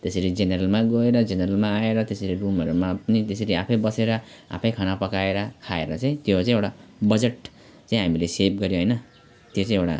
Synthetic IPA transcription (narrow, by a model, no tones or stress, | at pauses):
t̪esʌɾid͡zeneɾʌlmaɡʌeɾʌd͡zeneɾʌlmaːeɾʌt̪esʌɾirumʌɾumapʌnit̪esʌɾiapʰʌjbʌseɾʌ | a̰pʰʌjkʰʌnapʌkaeɾʌkʰaeɾʌt͡saĩt̪jot͡sãĩewɽabʌd͡zeʈ | t͡saĩɦamilesep̚ʰɡʌɾjõɦʌjnʌ | t̪jot͡sãĩewɽa̰